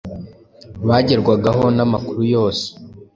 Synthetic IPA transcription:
βaːɟeɾɡwaɡaɦo̞namakuɾujo̞ːse̥

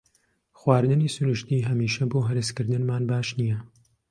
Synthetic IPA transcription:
xwaːɾd̪ɨniːsunɨʃt̪iːɦɐmiːʃɐboːɦɐɾɨskɨɾd̪ɨnmaːnbaːʃnijɐ

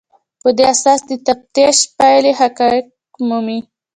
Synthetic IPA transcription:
pəd̪easɑsd̪ət̪ab̚t̪eʃpajleɦakɑjɪk | mumi

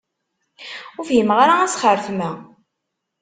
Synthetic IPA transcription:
ʊɾfjəmʁaɾaæsχəɾfmæ

